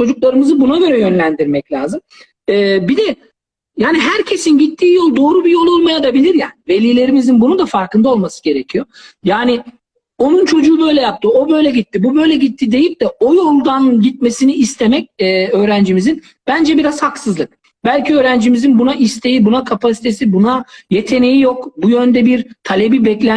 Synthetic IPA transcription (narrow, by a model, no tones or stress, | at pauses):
t͡ʃʰo̞d͡ʒuklˠaɾɯmɯzɯbunaɡø̞ɾɛjø̞nlʲænd̪iɾmɛclʲaːzɯm | ɛːbid̪ɛ | jaːniɦæɾcʰe̞sinɟit̪ʰːiːjo̞lˠd̪o̞ːɾubijo̞lˠolˠmajad̪abilʲiɾjænve̞lʲiːlʲe̞ɾimizinbunund̪afaɾkɯnd̪ao̞lˠmasɯ̥ɟe̞ɾe̞cʰijo̞jaːnɪ | o̞nunt͡ʃʰo̞d͡ʒuːbø̞jlʲɛjap̚t̪ʰɯo̞bø̞jlʲɛɟit̪ʰːibubø̞jlʲɛɟit̪ʰːid̪e̞jip̚d̪̥ɛo̞jo̞lˠd̪anɟit̪̚me̞siniːst̪ʰemɛc̚ːø̞ːɾænd͡ʒimizin | b̥ænd͡ʒɛbiɾaz̥haksɯzlˠɯk̚ | bælʲcʰiø̞ːɾænd͡ʒimizinbunaʔist̪ʰe̞jibunakʰapʰasi̥t̪ʰe̞sibunaje̞t̪ʰe̞nejijo̞kbujø̞nd̪ɛbiɾt̪ʰalʲebibɛclʲæ